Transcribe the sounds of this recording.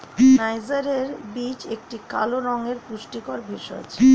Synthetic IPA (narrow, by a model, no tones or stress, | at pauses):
najzaɾeɾbit͡ɕek̚ʈika̰loɾɔŋeɾpuʃʈikɔɾbʱiʃɔ̰t͡ɕʰ